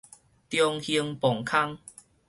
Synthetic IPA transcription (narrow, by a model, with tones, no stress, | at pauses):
t̪jɔ˧ŋhi˧əŋpɔ˨˩ŋkʰa˦˥ŋ